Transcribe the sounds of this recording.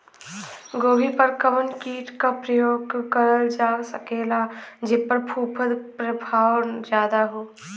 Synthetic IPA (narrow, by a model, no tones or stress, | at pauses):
ɡoːbipɐɾkəmənkiːʈkapɾɐjoːɡkəɾəld͡ʒaːsɐkeːlad͡ʒɪpəɾpʰuːpʰəd̪pɾəbʱaːwnd͡ʒjaːd̪aɦoː